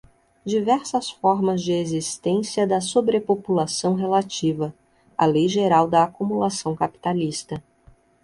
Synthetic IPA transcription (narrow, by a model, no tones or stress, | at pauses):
d͡ʒivɛɾsɐsfɔɾmɐzd͡ʒɪezist̪ẽsiɐd̪ɐsobɾepopulasɐ̃w̃ɦelat͡ʃivɐ | alejʒeɾawd̪ɐːkumulasɐ̃w̃kapi̥t̪alist̪ɐ